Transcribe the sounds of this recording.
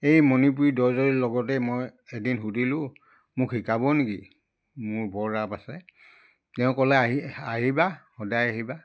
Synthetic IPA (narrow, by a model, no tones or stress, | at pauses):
ejmɔnip̬uɹidɔzɔɹilɔɡɔtɛmɔjedinɦudʱilʊ̃ | mʊkʰːikabɔniki | mʊɹbɔɹɹapasɛ | tɛʊ̃kɔlɛaɦiaɦibaxɔdajaɦiba